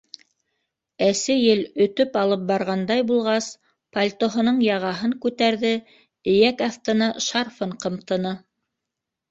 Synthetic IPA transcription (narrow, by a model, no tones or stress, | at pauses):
æsɘjɘlɵ̆t̪ɵpɑlˠɤp̚bɑɾʁɑnd̪ɑjbulˠʁɑs | pɐlʲt̪ŏɦŏnɤɴjɑʁɑɦɤŋkʉt̪æɾðɘ | ɘ̆jækɑθt̪ɤ̆nɑʃɑrfɤɴqɤ̆mt̪ɤ̆nɤ